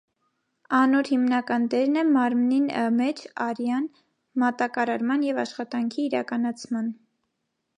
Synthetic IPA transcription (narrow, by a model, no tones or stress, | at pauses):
ɑnɔɾhimnɑkɑnd̪ɛɾnɛmɑɾmninəmɛt͡ʃʰɑɾjɑn | mɑt̪ɑkɑɾɑɾmɑnjɛvɑʃχɑt̪ɑŋkʰiːɾɑ̰kɑnɑt͡sʰmɑn